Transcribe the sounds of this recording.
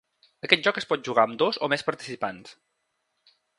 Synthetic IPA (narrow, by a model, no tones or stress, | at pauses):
əkɛt̪̚ʒɔkəspɔt̪̚ʒuɣaəmd̪ozomɛspəɾt̪i̥sipans